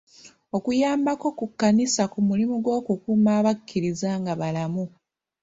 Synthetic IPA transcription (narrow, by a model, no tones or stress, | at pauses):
o̞kujaːmbako̞kukːanisakumulimuɡwo̞ːkukuːmaːβakʰːiɾizaːŋɡaβalamu